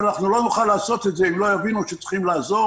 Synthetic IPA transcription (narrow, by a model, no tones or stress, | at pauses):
naχnulo̞nuχalːaːso̞t̪e̞t̪ze̞imlo̞javinuʃet͡sχimlaːzo̞